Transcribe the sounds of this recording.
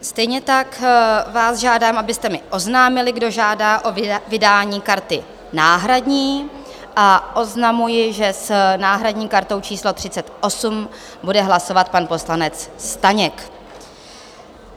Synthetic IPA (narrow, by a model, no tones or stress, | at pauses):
st̪ɛjɲɛt̪akvaːzʒaːdaːmʔabɪst̪ɛmɪʔo̞znaːmɪlɪɡdo̞ʒaːdaːʔo̞vɪdaːɲiːkaɾt̪ɪ | naːɦɾadɲiː | ʔaʔo̞znamujɪʒɛsnaːɦɾadɲiːkaɾt̪o̞wt͡ʃiːslo̞t̪r̝̥ɪt͡sɛt̪ʔo̞sum | budɛɦlaso̞vat̪̚panpo̞slanɛt͡sst̪aɲɛk